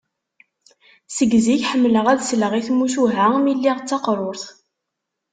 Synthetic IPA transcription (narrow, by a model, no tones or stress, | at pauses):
səɡziçħəmːləʁæðsləʁiθmːuʃuɦæmilːiʁt͡sːɑqɾˤoɾθ